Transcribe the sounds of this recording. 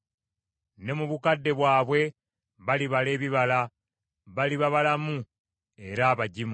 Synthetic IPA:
ne̞muβukadːe̞βwaːβwe̞ | βaliβale̞ːβiβala | βaliβaβalamu | e̞ɾaːβaɟimu

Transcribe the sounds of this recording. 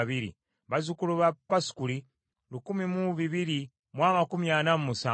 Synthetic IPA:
βiɾḭ | βazukuluβapaskuli | lukumimuβiβiɾi | mwamakumjanamumusa

